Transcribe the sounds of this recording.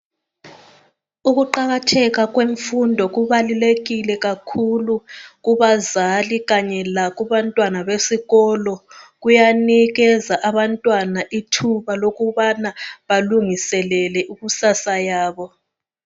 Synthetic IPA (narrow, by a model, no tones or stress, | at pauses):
uɣuǃaɣatʰɛɣaɣweɱfundʱɔɣuβaluleɣilɛɣakʰuluɣuβazaliɣaɲɛlaɣuβantʼwanaβesiɣɔlɔɣujaniɣɛzaʔaβantʼwanaʔitʰuβaloɣuβanaβaluŋisɛlɛlɛuɣusasajaːβɔ